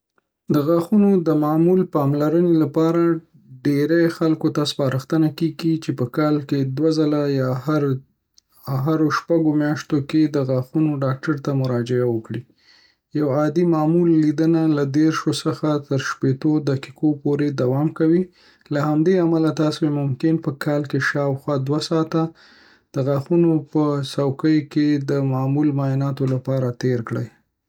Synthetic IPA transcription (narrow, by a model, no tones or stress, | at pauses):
d̪əɣaxunod̪əmɑmulpɑmlaɾənelapɑɾa | ɖeɾajxalkot̪aspɑɾəxt̪ənakeɡit͡ʃepəkɑlked̪wazalajɑhaɾ | ɦaɾoʃpaɡomjɑʃt̪oked̪əɣɑxunoɖɑk̚ʈaɾt̪amʊɾɑd͡ʒɪawəkɽi | jawɑd̪imɑmulːid̪ənalad̪eɾʃosəxat̪əɾʃpet̪od̪akikopoɾed̪awɑmkawi | lahamd̪eamalat̪ɑsoemʊmkɪnpəkʰɑlkeʃɑwxwɑd̪wasɑt̪a | d̪̥əɣaxunopəsawkəjked̪əmɑmulmajɪnɑt̪olapɑɾat̪eɾkɽə̰j